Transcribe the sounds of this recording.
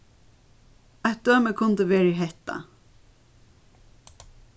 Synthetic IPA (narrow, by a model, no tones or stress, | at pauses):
ɛt̪̚d̪øːməkʰʊnt̪əʋeːɹiɦɛht̪a̰